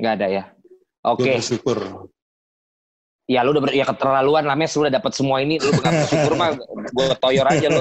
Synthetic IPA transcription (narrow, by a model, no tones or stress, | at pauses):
ŋɡaːdaja | ʔokeʃukʊr | jaloudabjakət̪ərlaluanlamɛsluːdahdapat̪̚səmuainilubəŋat̪əʃukʊrmaɡuabət̪ojɔɾad͡ʒalʊ